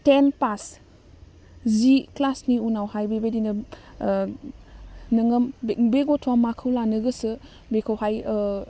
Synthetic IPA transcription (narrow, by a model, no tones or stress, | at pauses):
tenpas | ziklasniunawhajbebedinɯ | nɯŋɯmbeɡɔtʰuamakʰɯwlanɯɡɯsɯ | bekʰəwhaj